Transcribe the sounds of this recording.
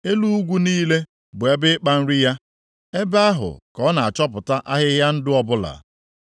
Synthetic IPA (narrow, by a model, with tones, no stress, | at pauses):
e˦lu˦u˦ɡʷu˦niː˦le˦ | bʊ˨e˦bɪ˦k͡pa˦n̩˦ɾi˦ja˦ | e˦ba˦ɦʊ̰˨kɔ˦na˨a˨t͡ʃɔ˦p̬ʊ˨ta˦ʔa˦ɦɪ˦ɦja˦n̩˦dɪ˦ɔ˦bʊ˦la̰˨